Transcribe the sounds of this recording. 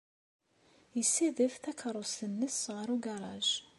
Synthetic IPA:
jəsːiðəfθækʰɾˤost̪ənːəsʁəɾuɡɑɾˤɑʒ

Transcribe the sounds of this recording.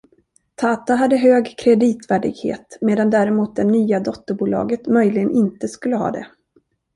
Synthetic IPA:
t̪ʰɑːt̪aɦad̪ːəɦøːɡkʰɾɛd̪iːt̪væːɖɪ̰ɡhḛːt̪meːd̪and̪æːɾɛmuːt̪̚d̪ɛnyːad̪ɔt̪ːəɾbuːlɑ̰ːɡət̪mœjlɪɡənʔɪnt̪əskɵlːəɦɑ̰ːd̪ɛ̰

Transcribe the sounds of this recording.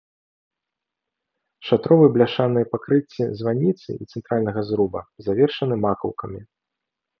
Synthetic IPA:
ʂat̪ɾɔvɨblʲaʂanɨjɐpakɾɨt͡sʲːizvanʲit̪sɨ̰it̪sɛnt̪ɾalʲnɐɣɐzɾubɐzavʲɛrʂɐnɨmakɐ̰wkɐmʲi

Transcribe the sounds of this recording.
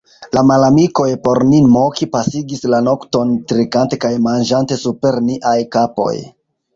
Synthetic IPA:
lamalamiko̞jpo̞ɾninmokipasiɡislano̞kto̞ntɾikante̞kajmand͡ʒante̞supe̞ɾniʔajkapo̞̰j

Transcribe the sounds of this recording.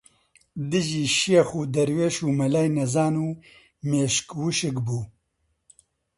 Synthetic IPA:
d̪ɨʒiːʃijexuːd̪ɐɾweːʃuːmɐlaːjnɐzaːnuː | meːʃkwuʃɨkbuː

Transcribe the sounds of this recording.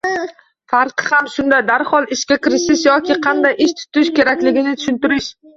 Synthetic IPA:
faɾqʰɨhamʃʊnd̪ad̪aɾhɒlˠɪʃkʲakʰʲɪɾɪʃɪʃjɒkʲʰɪqʰɑnd̪ajɪʃt̪ʰʊ̥t̪ɪʃkʲe̞ɾakʲlɪɡʲɪnɪt̪ʰʊ̥ʃʊnt̪ɪɾɪʃ

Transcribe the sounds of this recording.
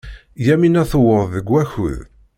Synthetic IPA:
jæminæθəwəɾˤðəɡʷːæçṵð

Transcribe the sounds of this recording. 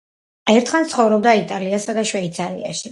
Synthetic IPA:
ɛɾt̪ʰχant̪sχɔvɾɔb̚d̪ait̪ʼaliasad̪aʃwɛit̪sʰaɾḭa̰ʃi

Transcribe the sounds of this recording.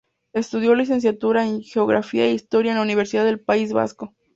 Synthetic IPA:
e̞st̪uðjo̞lis̬e̞ns̬jat̪uɾaeŋxeoɣɾa̰fiaeist̪o̞ɾjaenlauniβ̞e̞ɾsiðaðelpaizβa̰sko̞

